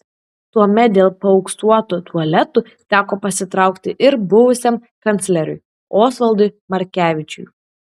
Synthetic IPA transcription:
t̪uɔmʲɛt̪̚d̪ʲeːlˠpɐɔʊksuɔt̪ut̪ʰuɔlʲɛt̪u | t̪ʲæːkoːpɐsʲɪt̪ɾɑˑʊkt̪ʲɪʔɪɾbʊʋʊsʲɛm | kɐnʲt̪sʲlʲɛɾʲʊ̰j | oːsʋɐlˠd̪ʊɪmɐɾʲkʲæːʋʲɪt͡ʃʲʊ̰j

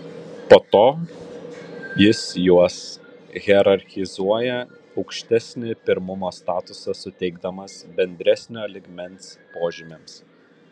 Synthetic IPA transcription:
poːt̪oː | jɪsjuɔsɣʲɛɾɐɾʲxʲɪzuɔjɛ | ɒʊkʃʲt̪ʲɛsʲnʲɪpʲɪɾmʊmoːst̪ɑːt̪ʊsɐsʊt̪ʲɛɪɡd̪ɐmɐsbʲɛnʲd̪ʲɾʲæsʲnʲoːlʲɪɡmʲɛnˑspoːʒʲɪmʲems

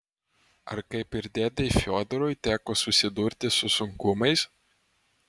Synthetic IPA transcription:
ɐ̰ɾkɐɪpɪɾʲd̪ʲeːd̪ʲefʲoːd̪ɾɔjt̪ʲæːkoːsʊsʲɪd̪ʊɾʲt̪ʲɪsʊsʊŋkʊmɐɪs

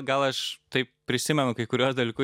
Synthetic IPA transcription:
ɡɐlˠɐʃt̪ɐɪp̚pʲɾʲɪsʲɪmʲɛnʊkɐɪkʊɾʲuɔsd̪ɐlʲikʊ

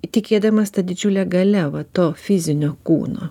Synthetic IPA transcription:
t̪ʲɪkʲeːd̪ɐmɐst̪ɐd̪ʲɪd͡ʒʲʊlʲɛɡɐlʲɛʋɐt̪oːfʲɪzʲɪnʲoːkṵːno̰ː

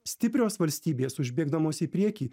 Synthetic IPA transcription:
sʲt̪ʲɪpʲɾʲoːsʋɐlʲsʲt̪ʲiːbʲeːsʊʒʲbʲeːɡd̪ɐmoːsipʲɾʲiɛkʲiː

